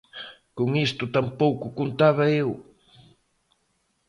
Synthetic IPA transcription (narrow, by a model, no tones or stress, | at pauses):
koŋist̪ʊt̪ampowkʊkont̪aβɐew